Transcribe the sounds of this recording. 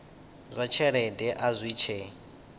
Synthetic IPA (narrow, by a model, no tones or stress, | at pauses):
zʷat͡ʃʰɛɺɛdɛʔazʷwit͡ʃʰeː